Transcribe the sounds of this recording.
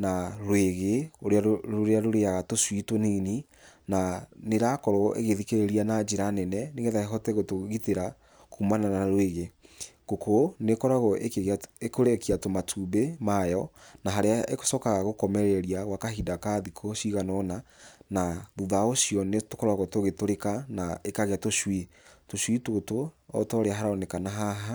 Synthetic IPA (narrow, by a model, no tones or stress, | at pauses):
naɾweɣeoɾeaɾoɾeaɾoɾeaɣatoswitonini | naneɾakɔɾɔʔḛɣeðikeɾeɾianad͡ʒeɾanɛnɛneɣeðaeɦɔtɛɣotoɣiteɾa | kumananaaɾweɣe | ɡokʰonekɔɾaɣɔʔekekoɾekiatomatʰubemajɔnaɦaɾeaʔḛko̥sɔkaɣaɣokɔmɛɾɛɾiaɣwakaɦidakaðikʰoʃiɣanɔnanaðuðaoɕiɔnetokɔɾaɣotoɣetoɾekanaekaɣeatoʃwe | toʃwitotoɔ̰tɔɾeaɦaɾaɔnekanaɦaɦa